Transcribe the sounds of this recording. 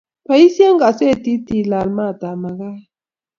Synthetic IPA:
pa˨i˦sja˦ŋɡa˨se˦˨t̪i˦t̪i˨la˨lma˦˨t̪a˨ma˨ɡa˦

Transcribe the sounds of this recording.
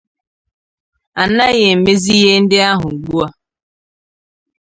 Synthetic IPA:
a˨n˦a˦ɣe˨m̩˨me˦zi˦ɣe˦n̩˦dɪ˦a˦ɦʊ˨ɡ͡bu˦a˦

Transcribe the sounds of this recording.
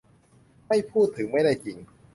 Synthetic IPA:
ma˥˩jpʰuː˥˩t̪ʰːɯ˩˦ŋma˥˩jda˥˩jt͡ɕi˨˩ŋ

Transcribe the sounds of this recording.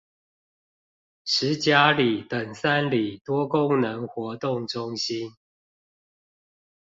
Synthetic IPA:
ʂɻ̩˨˦t͡ɕja˦li˨˩t̪ə˨˩ŋsa˦nli˨˩t̪wɔ˦kʊ˦ŋnə˨˦ŋxwɔ˨˦t̪ʊ˥˨ŋʈ͡ʂʊ˦ŋɕi˦n

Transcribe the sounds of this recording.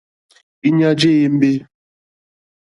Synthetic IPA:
i˦ɲa˦d͡ʒe˦je˦m̩˦be˦

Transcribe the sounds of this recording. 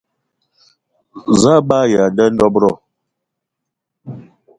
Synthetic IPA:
za˦ɓa˦ja˨dɛ˦n˦dɔ˦bɾɔ˦˨

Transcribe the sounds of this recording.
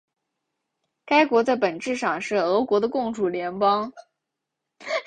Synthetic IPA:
ka˥ɪkwɔ˧˥t͡sa˥˩ɪpə˨˩nʈ͡ʂɻ̩˥˧ʂɑ˥˩ŋʂɻ̩˥˩ɤ˧˥kwɔ˧˥d̪ə˧kʊ˥˩ŋʈ͡ʂu˨˥˩ljɛ˧˥npɑ˥ŋ

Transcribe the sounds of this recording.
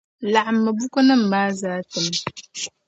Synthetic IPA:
la˨ʔmːə˨bu˦kə˦nə˦m̩˨maː˦zaː˨˦tə˨m

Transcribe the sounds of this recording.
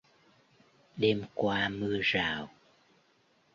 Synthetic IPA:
ɗe˧mkwaː˧mɨ˧əzaː˨˩w

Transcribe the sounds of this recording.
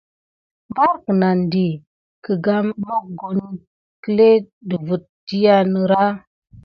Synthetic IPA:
mba˦ɾkə˨na˨ndi˨ | kə˨ɡa˦mːo˦k̚ɡo˨n | kə˦le˦ | də˨vu˨t̚di˦ja˦nə˨ɾa˦

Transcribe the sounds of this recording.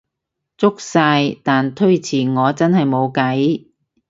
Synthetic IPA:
t͡sʊ˥k̚saː˧jt̪aː˨nt̪ʰɵ˥ɥt͡sʰiː˨˩ŋɔː˨˧t͡sɐ˥nhɐ˨jmo˨˧wkɐ˨˥j

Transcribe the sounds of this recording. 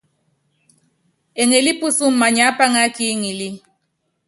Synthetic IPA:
ɛ˨ŋɛ˨li˦pu˦su˦m̩˨ma˨ɲa˦pa˦ŋa˦ki˦ŋi˨li˦

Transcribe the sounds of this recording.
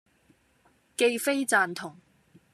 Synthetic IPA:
ke˧jfe˥jt͡saː˨˧nt̪ʰʊ˨˩ŋ

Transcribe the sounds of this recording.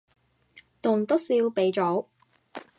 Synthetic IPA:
t̪ʊ˨˩ŋt̪o˥siː˧wpe˨˥jt͡ʃɔː˨˥w

